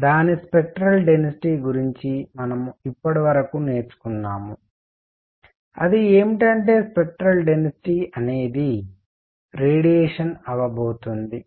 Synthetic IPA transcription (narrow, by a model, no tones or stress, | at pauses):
d̪aːnispek̚ʈɾɐlɖɐnɐsi̥ʈiːɡuɾiɲt͡ʃimɐnɐmuipːɐɽiʋɐɾɐkune̞ːt͡ʃu̥kunːaːmu | ɐ̰d̪ie̞ːmiʈɐɳʈe̞ːspek̚ʈɾɐlɖenɐsiʈiːɐne̞ːd̪i | ɾeːɽijeːʂɐnɐʋɐboːt̪und̪i